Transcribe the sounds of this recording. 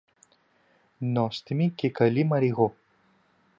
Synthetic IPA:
nɔst̪ɨmʲikʲekɐlʲimɐɾʲiɣu

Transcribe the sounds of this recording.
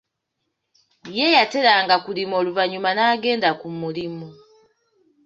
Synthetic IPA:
jejate̞ɾaːŋɡakulimoluvaɲumanaːɡe̞ːndakumulimo

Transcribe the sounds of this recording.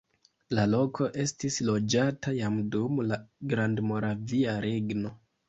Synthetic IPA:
lalo̞kʰo̞ʔe̞stislo̞d͡ʒatajamdumlaɡɾandmo̞ɾaviaɾe̞ɡno̞

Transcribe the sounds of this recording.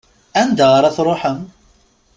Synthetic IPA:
ænd̪əʁɾˤaθɾˤoħəm

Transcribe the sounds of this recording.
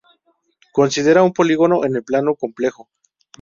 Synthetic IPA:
ko̞nsið̞e̞ɾaumpo̞liɣo̞no̞ʔene̞lplanoko̞mple̞xo̞

